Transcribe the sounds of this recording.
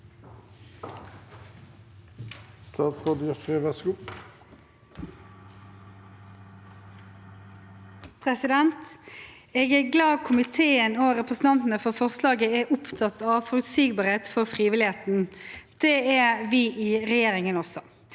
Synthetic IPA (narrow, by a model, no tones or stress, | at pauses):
st̪ɑːt̪sʁoːd̪əjɑfʁiʋɛsku | pʰʁɛsɪd̪ɛnt̪ | eːɡæːɡlɑːɡ̚kʰʊmɪt̪ʰeːənoʁɛpʁəsn̩t̪ɑnt̪n̩əfɔʁfɔʁslɑːɡəæʔʊpt̪ʰɑt̪ɑːʋfɔʁʉt̪siːɡ̚bɑːʁeːt̪fɔʁfʁiːʋɪlɪheːt̪n̩d̪̥ɛːæʋiːʔiːʁɛjeːʁɪŋənɔsɔ